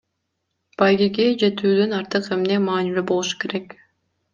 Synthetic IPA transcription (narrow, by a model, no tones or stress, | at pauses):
b̥ɑjɡiɡed͡ʒe̞t̪yːd̪ynɑɾt̪ɯqe̞mnemɑːnilʲybo̞lˠuʃu̥ke̞ɾe̞k